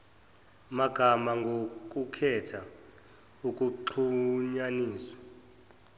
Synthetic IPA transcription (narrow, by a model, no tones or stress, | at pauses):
maɡ̥ʱamaŋɡʱok̬ʼukʰɛtʰa | ukʼuǃʰuɲaniːswḁ